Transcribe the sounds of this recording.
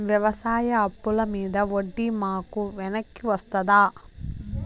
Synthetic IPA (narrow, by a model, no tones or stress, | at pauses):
ʋjɐʋɐsaːjɐɐpːulɐmiːd̪ɐoɖːimaːkuʋɛnɐkːiʋɐst̪ɐd̪aː